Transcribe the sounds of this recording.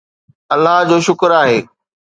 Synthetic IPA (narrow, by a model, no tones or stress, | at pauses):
ɐlːaɦd͡ʑoːʃʊkəɾaːɦeː